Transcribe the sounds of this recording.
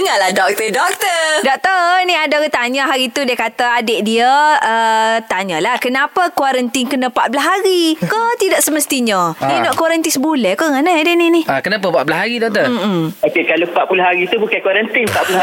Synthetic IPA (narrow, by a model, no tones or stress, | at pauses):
əŋalahdɔk̚t̪ədɔk̚t̪ədɔk̚t̪əniadakət̪aɲəɦaɾit̪udiəkat̪aadeʔdiəət̪aɲalahkənapəkwaɾənt̪inkənə̃paʔ̚blaɦaɾikot̪idaʔsəməst̪iɲəanɔʔkwaɾənt̪isəbulɛhkoŋanajadeninihakənap̬əpaʔblaɦaɾidɔk̚t̪əokekalopaʔ̚puluhɦaɾit̪ubukankwaɾənt̪inpaʔpul